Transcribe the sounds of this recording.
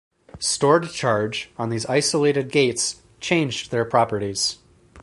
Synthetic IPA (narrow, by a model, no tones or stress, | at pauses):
stɔɹd̚t͡ʃʰɑɹd͡ʒ̃n̩ðizaɪsəleɪɾɨd̚ɡeɪts | t͡ʃʰẽɪ̃nd͡ʒðə˞pʰɹ̥ɑpə˞ɾiz̥